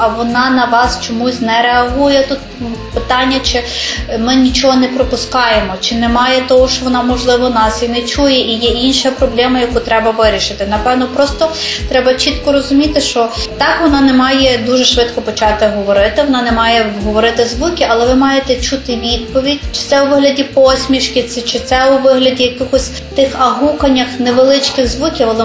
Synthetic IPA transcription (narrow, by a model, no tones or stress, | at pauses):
ɐʋɔnɑnɐʋɑst͡ʃɔmusʲnɛɾeɐɦujɛt̪ut̪pɪt̪ɑnʲːɐt͡ʃɪmɪnʲit͡ʃɔɦɔnɛpɾɔpʊskɑjemɔt͡ʃɪnɛmɑjɛt̪ɔɦɔʃt͡ʃɔʋɔnɑmɔʒlˠɪʋɔnɑsjinɛt͡ʃujɛʔijɛinʃjpɾɔblʲɛmɐjɐkut̪ɾɛbɐʋɪɾʲiʃɪt̪ɪnɐpɛʋnɔpɾɔst̪ɔt̪ɾɛbɐt͡ʃit̪kɔɾɔzʊmʲit̪ɪʃt͡ʃɔt̪ɑkʋɔnɑnɛmɑjɛd̪uʒɛʃʋɪt̪kɔpɔt͡ʃɑt̪ɪɦɔʋɔɾɪt̪ɪʋɔnɑnɛmɑjɛɦɔʋɔɾɪt̪ɪzʋukʲɪʔɐlˠɛʋɪmɑjet̪ɛt͡ʃut̪ɪʋʲid̪̚pɔʋʲidʲt͡ʃɪ̥t̪sɛuʋɪɦlʲɐdʲipɔsʲmʲiʃkʲɪt̪sɪt͡ʃɪt̪sɛʊʋɪɦlʲɐdʲijɐkɪxɔsʲ | t̪ɪxɐɦuxɐnʲːɐxnɛʋelˠɪt͡ʃkɪɣzʋukʲiwɐlˠɪ